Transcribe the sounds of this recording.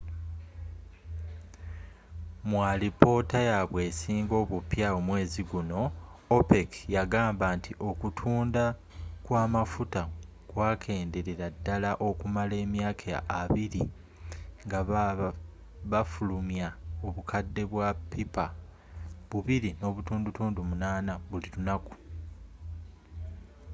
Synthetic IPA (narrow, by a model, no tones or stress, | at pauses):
mwalipo̞ːtajaβwe̞ːsiːŋɡo̞ːβupjaomwe̞ːziɡuno̞opekjaɡaːmbaːntʰiʔo̞kutʰuːnda | kwaːmafuta | kwaːkʰe̞ːnde̞ɾe̞ɾadːalaʔo̞kumale̞ːmjaːkʰaaβiɾi | ŋɡa | βafulumjao̞βukʰadːe̞βwapːipa | βuβiɾino̞ːβutuːndutuːndumunaːnaβulilunaku̥